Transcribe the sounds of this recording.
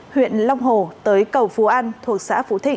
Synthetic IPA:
hwḭ˧˨ənlɔ˧wŋ͡mɦo˨˩t̪əː˨˦jkə˨˩wfu˨˦ʔaː˧nt̪ʰu˨˩ək̚sa̰ː˧˥fṵ˧˥t̪ʰï˨˩

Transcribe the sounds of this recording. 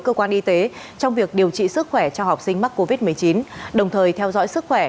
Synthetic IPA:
jkə˧kwaː˧nʔi˧t̪e˨˦ | t͡ɕɔ˧wŋ͡mvi˨˩ək̚ɗi˨˩əwt͡ɕḭ˧˨sɨ˦˥k̚xwɛ˧˩t͡ɕɔ˧ɦa˨˩wk͡p̚sï˧ŋma˦˥k̚ko˧vi˦˥t̚mɨ˨˩əjt͡ɕi˨˦nɗə˨˩wŋ͡mt̪ʰəː˨˩jt̪ʰɛ˧wzɔ̰˧˥jsɨ˦˥k̚xwɛ˧˩

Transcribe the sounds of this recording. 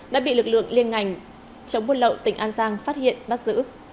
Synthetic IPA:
ɗa̰ː˧˥ɓḭ˧˨lɨ˨˩k̚lɨ̰˧˨əŋli˧ənŋa˨˩jŋ̟ | t͡ɕə˨˦wŋ͡mɓu˧ələ̰˧˨wt̪ï˨˩ŋ̟ʔaː˧nzaː˧ŋfaː˦˥t̚hḭ˧˨ənɓaː˦˥t̚z̥ɨ̰˧˥

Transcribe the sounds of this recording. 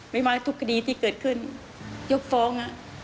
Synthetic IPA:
ma˥˩jmaː˧t̪ʰu˦˥kʰːa˧diː˧t̪ʰiː˥˩kɤː˨˩t̪̚kʰɯ˥˩n | jo˦˥k̚fɔː˧˦˥ŋa˧˩ʔ

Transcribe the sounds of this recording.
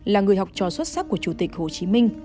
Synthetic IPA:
laː˨˩ŋɨ˨˩əjɦa˨˩wk͡p̚t͡ɕɔ˨˩swə˦˥t̚sa˦˥kːu˧˩ət͡ɕu˧˩t̪ï˨˩k̟̚ho˨˩t͡ɕi˨˦mï˧ŋ̟

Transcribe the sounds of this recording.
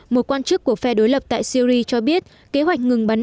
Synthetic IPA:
mo˨˩t̚kwaː˧nt͡ɕɨ˦˥kːu˧˩əfɛ˧ɗo˨˦jlə˨˩p̚t̪a̰ː˧˨jsi˧ɾi˧t͡ɕɔ˧ɓi˦˥ət̚ | ke˨˦ɦwa˨˩jk̟̚ŋɨ˨˩ŋɓa˨˦n

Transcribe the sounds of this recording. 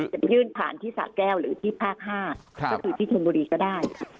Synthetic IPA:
t͡ɕa˨˩jɯː˥˩npʰa̰ː˨˩˦nt̪ʰiː˥˩sa̰ː˨˩t̪̚kɛː˥˩wɾɯː˩˦t̪ʰiː˥˩pʰaː˥˩k̚ɦaː˥˩kɔ˥˩kʰɯː˧t̪ʰiː˥˩t͡ɕʰo˧nbuː˧ɾiː˧kɔː˥˩daː˥˩jkʰa˦˥

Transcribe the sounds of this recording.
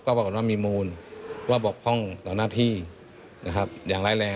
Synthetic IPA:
kɔː˧˩wa˧˩kɔː˨˩nwaː˧˥˩miː˧˨muː˧n˧waː˧˩bɔː˨˩k̚pʰɔ˥˩ŋlaː˨˩˦naː˧˥˩t̪ʰiː˧˥˩ | na˧kʰa˧˥p̚jaː˨˩ŋlaː˧˥˨jlɛː˧

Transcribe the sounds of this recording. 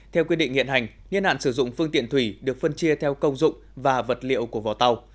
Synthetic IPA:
t̪ʰɛ˧wkwi˧ɗḭ̈˧˨ŋ̟hḭ˧˨ənha˨˩jŋ̟ | ŋi˧ənha̰ː˧˨nsɨ˧˩zʊ̰˧˨ŋ͡mfɨ˧əŋt̪ḭ˧˨ənt̪wi˧˩ɗɨ˨˩ək̚fə˧nt͡ɕi˧ət̪ʰɛ˧wkə˧wŋ͡mzʊ̰˧˨ŋ͡mvaː˨˩və˨˩t̚lḭ˧˨əwku˧˩əvɔ˨˩t̪a˧w

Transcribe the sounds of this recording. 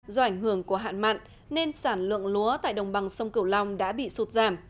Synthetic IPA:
zɔ˧ʔa˧˩jŋ̟hɨ˧˩əŋku˧˩əɦa̰ː˧˨nma̰ː˧˨n | ne˧nsaː˧˩nlɨ̰˧˨əŋlu˨˦ət̪a̰ː˧˨jɗə˨˩wŋ͡mɓa˨˩ŋsə˧wŋ͡mkɨ˧˩əwla˧wŋ͡mɗa̰ː˧˥ɓḭ˧˨su˦˥t̚zaː˧˩m

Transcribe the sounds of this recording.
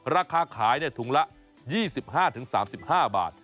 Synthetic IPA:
ɾaː˧kʰaː˧kʰaː˩˦jni˥˩ɐt̪ʰu˩˦ŋla˦˥ʔ | jiː˥˩si˨˩p̚haː˥˩t̪ʰɯ˩˦ŋsa̰ː˩˦msi˨˩p̚haː˥˩ba̰ː˨˩t̪̚

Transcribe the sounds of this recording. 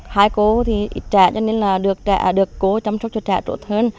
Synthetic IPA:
haː˧jko˨˧˦t̪ʰi˨˩ʔi˨˩t͡ɕa̰ː˧˨t͡ɕɔ˧ne˧nlaː˨˩ɗɨ˨˩ək̚t͡ɕa̰ː˧˩ʔɗɨ˨˩əkːo˨˦t͡ɕɔ˧wŋ͡ms̚t͡ɕɔ˧t͡ɕa̰ː˧˨t͡ɕo̰˧˩t̪ʰəː˧n

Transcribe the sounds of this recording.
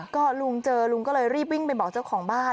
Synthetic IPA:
kɔː˥˩lu˧ŋt͡ɕɤː˧lu˧ŋkɔː˥˩lɤː˧jɾiː˥˩p̬̚wi˥˩ŋpa˧jbɔː˨˩k̚t͡ɕa˥˩wkʰɔː˩˦ŋbaː˥˩

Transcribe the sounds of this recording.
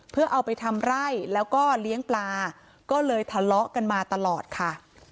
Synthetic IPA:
pʰɯ˥˩ɐʔa˧wpa˧jt̪ʰa˧mɾa˥˩jlɛː˦˥wkɔː˥˩li˦˥əŋplaː˧ | kɔː˥˩lɤː˧jt̪ʰa˧lɔ˦˥ʔka˧nmaː˧t̪a˧lɔː˨˩t̪̚kʰa˥˩

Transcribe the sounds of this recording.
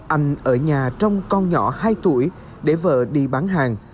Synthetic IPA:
ʔa˧jŋ̟ʔəː˧˩ɲaː˨˩t͡ɕɔ˧wŋ͡mkɔ˧nɲɔ˧˩˦haː˧jt̪ṵ˧˩əj | ɗe˧˩və̰ː˧˨ɗḭ˧˨ɓaː˨˦nɦaː˨˩ŋ

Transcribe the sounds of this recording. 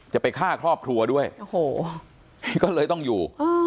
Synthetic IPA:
t͡ɕa˨˩pa˧jkʰaː˥˩kʰɾɔː˥˩p̚kʰɾu˧ɐdu˥˩əjʔo˨˩hoː˨˩˦ | kɔː˥˩lɤː˧jt̪ɔ˥˩ŋjuː˨˩ʔaː˧

